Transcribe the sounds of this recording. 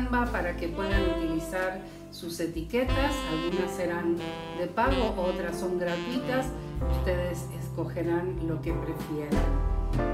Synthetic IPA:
mbapaɾake̞pwe̞ðanut̪ilisaɾ | suse̞t̪iket̪asalɣunase̞ɾan | d̪e̞paɣo̞ʔot̪ɾasːo̞ŋɡɾat̪wit̪asust̪eðe̞sesko̞xeɾanlo̞kepɾe̞fjeɾen

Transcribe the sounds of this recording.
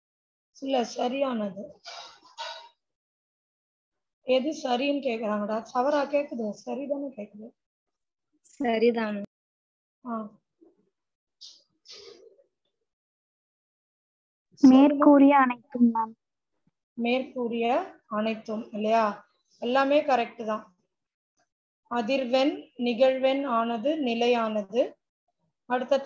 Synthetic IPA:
ɪlːɐsɐɾɪjaːnɐðɯ | ɛðɯsɐɾɪjɯnkeːkːɐɾaːŋɡɐɽaːt̪ɐʋɐɾaːkeːkːɐðɯsɐɾɪðaːnɯkeːkːɐðɯ | sɐɾit̪aːnɯ | aː | meːɾkuːɾɪjɐːnɐɪt̪ːɯmaːm | meːɾkuːɾɪjɐɐnɐɪt̪ːɯmɪlːɐjaː | ɛlːaːmeːkɐɾɛk̚ʈɯðãː | ɐðɪɾʋɐnnɪɣɐɻʋɐnaːnɐðɯnɪlɐɪjaːnɐðɯ | ɐɽɯt̪ːɐt̪ː

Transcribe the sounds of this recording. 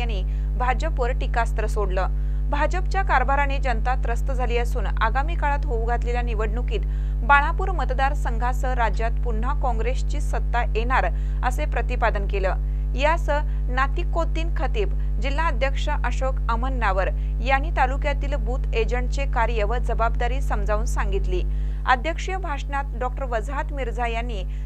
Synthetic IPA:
añiː | bʱad͡ʑəpʋəɾʈikast̪ɾəsoɽlə | bʱad͡ʑəp̚t͡ɕjakaɾbaɾaned͡ʑənt̪at̪ɾəst̪əd͡zʱaliːəsuːnaɡamikaɭat̪ɦouɡʱat̪leljaniʋəɽɳukiːt̪ | baɽ̃apuːɾmət̪d̪aɾsəŋɡʱasəɾad͡ʑjat̪puɳ̤akɔ̃ŋɡɾest͡ɕiːsət̪ːaʔeɽ̃aɾ | əsepɾət̪ipad̪ənkeləː | jasə | nat̪ikːot̪ːiːnkʰət̪iːb | d͡ʑil̤aəd̪ʱjəkʂəʔəɕokəmənːaʋəɾ | jañiːt̪alukjat̪iːlbuːt̪ed͡ʑəɳʈt͡sekaɾjəʋəd͡zəbab̚d̪aɾiːsəmd͡zauːnsaŋɡit̪liː | əd̪ʱjəkʂjəbʱaʂnat̪ɖɔk̚ʈəɾʋəd͡zɦat̪miɾd͡zajanːiː

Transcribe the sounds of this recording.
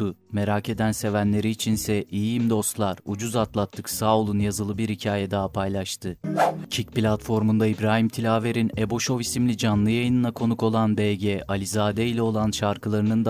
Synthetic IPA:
ʊme̞ɾake̞d̪ænse̞vænlʲe̞ɾiːt͡ʃʰinsɛʔijiimd̪o̞st̪lˠaɾud͡ʒuzat̪lˠat̪ʰːɯksaulˠunjazɯlˠɯbiɾhicʰaːjɛd̪aɦapʰajlˠaʃt̪ʰɯcʰic̚plʲat̪fo̞ɾmund̪aibɾaːɦimt̪ʰilʲaːve̞ɾinebo̞ʃo̞visimlʲid͡ʒanlˠɯjajɯnɯnakʰo̞nukʰo̞lˠanbɛlɟɛʔalʲizaːd̪ɛilʲɛo̞lˠanʃaɾkʰɯlˠaɾɯnɯnd̪

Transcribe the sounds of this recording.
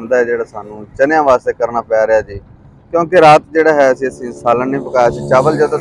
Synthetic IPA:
nd̪aːɦɛːd͡ʒeːɽaːsaːnũːt͡ʃənɪjãːʋaːst̪eːkəɾnaːpɛːɾɪaːd͡ʒiː | kjõːkeɾaːt̪d͡ʒeːɽaːɦɛːəsĩːəsĩːsaːlənĩːpəkaːjasĩːt͡ʃaːʋəld͡ʒeːt̪ː

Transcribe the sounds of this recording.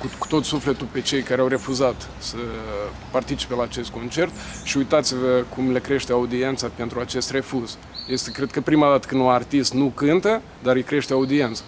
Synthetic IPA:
kuku̥t̪o̞t̪sufle̞t̪ulpe̞t͡ʃe̞jkaɾeawre̞fuzat̪ | sə | part̪it͡ʃi̥pe̞laːt͡ʃe̞st̪̚ko̞nt͡ʃe̞rt̪ | ʃiujt̪at̪sivəkumlekɾe̞ʃt̪eaud̪ie̞nt̪sape̞nt̪ɾuat͡ʃe̞st̪re̞fuz | je̞st̪e̞kɾe̞d̪̚kəpɾimad̪at̪ə̥kɨnd̪unart̪ist̪nukɨnt̪ə | d̪aɾikɾe̞ʃt̪eaud̪ie̞nt̪sḁ

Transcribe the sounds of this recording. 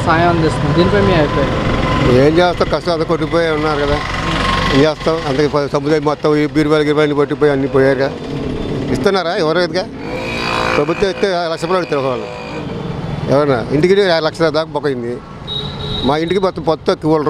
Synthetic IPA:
saːjɐmɐnd̪ist̪und̪id̪iːnipɐjmiːɐjpoːjeːɲt͡ʃeːst̪aːkɐsʈɐɐnt̪ɐkɐkoʈ̬ːip̬oːjːunːaːɾukɐd̪aːeɲt͡ʃeːst̪aːwɐnt̪ɐpsɐmud̪aːmɔt̪ːɐmbiːɾʋɐlɐɡiɾʋɐːɐnːipɐʈːipoːjɐnːipoːjaːɾkɐa | ist̪unːaːɾaːɛʋɐɾuɡɐd̪ikaː | pɾɐbut̪wɐ̃ist̪ːeːlɐkʂɐpɐɾɐɽit̪ɐɾʋɐkɐʋɐlɐ̰ | ɛ̰ʋɐɾnːa̰ːɾiɳʈikiʈɾalɐkʂɐɾad̪aːkɐbɔkːɐind̪i | maːiɳʈikibɔt̪ːɐmpɔt̪ːok̪iʋɐl

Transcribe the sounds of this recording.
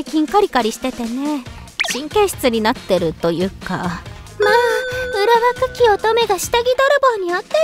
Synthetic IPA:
jkʲĩŋkaɾʲikaɾʲiɕi̥t̪e̞t̪e̞ne̞ | ɕĩŋkẽ̞ɕi̥t͡sɨɲ̟inat̪ːe̞ɾɯ̟t̪o̞jɯ̟ːka | maːɯ̟ɾaβakakʲio̞t̪o̞me̞ɡaɕi̥t̪aɡʲid̪o̞ɾɯ̟boːɲ̟iat̪ːe

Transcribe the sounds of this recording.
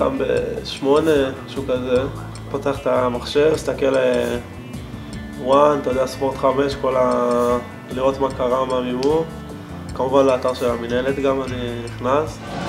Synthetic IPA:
ɡa̰mbḛʃmo̞ne̞ʃukaze | poteaχt̪amaχʃe̞vist̪ake̞le | want̪ajod̪easpo̞ʁt̪χame̞ʃko̞la | liʁo̞t̪makaʁamamiu | kamuvanlaːt̪aʁʃe̞lamine̞let̪ɡamaniniχnas

